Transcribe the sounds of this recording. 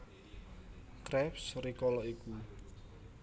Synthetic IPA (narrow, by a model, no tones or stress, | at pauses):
kɾɛpsrikɔlɔiku